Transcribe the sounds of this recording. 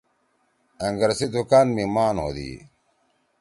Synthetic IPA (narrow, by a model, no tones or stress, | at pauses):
ɐŋɡɐɾsid̪ukaːnmimaːnɦo̰ːd̪ḭː